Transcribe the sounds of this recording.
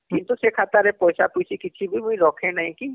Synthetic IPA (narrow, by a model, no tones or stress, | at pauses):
kɪ̃nt̪usekʰat̪aɾɛpɔːjsapusikɪt͡ʃʰibʱimʊĩɾɔːkʰẽnaɦĩki